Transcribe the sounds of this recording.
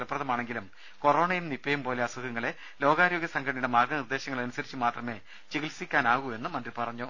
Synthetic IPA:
lɐprɐðɐmaːɳe̞ŋɡilum | ko̞ro̞ːɳɐjimnipːɐjumpo̞ːle̞ɐsuɣɐŋːɐɭe̞ | lo̞ːɡaːɾo̞ːɡjɐsɐŋɡʰʱɐɳiɽemaːrɡɐnird̪e̞ːɕɐŋːɐɭɐnusɐɾit͡ɕːɨmaːt̪rɐme̞ | t͡ɕeɣilsikʲːaːnaːɣue̞nːɨmɐnd̪ripɐrɐɲːu

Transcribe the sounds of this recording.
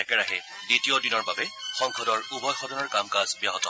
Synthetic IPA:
ɛkɛɹaɦɛ | ditiodinɔɹbabɛxɔŋkʰɔdɔɹubɔdxɔdɔnɔɹkamkazbjaɦɔtɔ

